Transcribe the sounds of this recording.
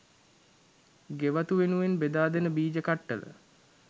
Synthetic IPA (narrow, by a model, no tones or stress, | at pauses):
ɡeʋat̪uʋenuʋenbed̪aːd̪enəbiːd͡ʒəkaʈːələ̰